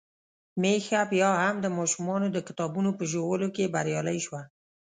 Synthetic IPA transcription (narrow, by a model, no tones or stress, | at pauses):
mexapjɑhamd̪əmɑʃumɑnod̪əkɪ̥t̪ɑbunopəʒowəlokebaɾjɑlajʃwa